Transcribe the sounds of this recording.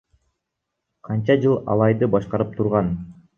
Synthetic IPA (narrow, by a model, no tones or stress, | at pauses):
qʰɑnt͡ʃɑd͡ʒɯlˠɑ̰lˠɑjd̪ɯbɑʃqɑɾɯp̚t̪ʰuɾʁɑn